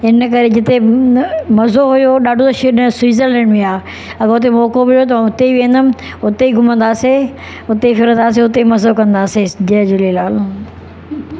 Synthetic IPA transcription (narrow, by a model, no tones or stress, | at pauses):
ɪnəkɐɾed͡ʑɪt̪e | mɐzoɦʊjoɗaːɖʱõt̪ɐʃiɗɪsʊiːzəɾlɛ̃ːnɖmẽaː | ɐɡəʊt̪̬emɔːkoɓɪljot̪̬ɐʋãʊt̪eiʋẽːnd̪əm | ʊt̪eiɡʱʊmə̃nd̪aːse | ʊt̪eifɪɾə̃naːs̬eʊt̪eimɐzokɐ̃nd̪aːsed͡ʑɐd͡ʑʊlilaːl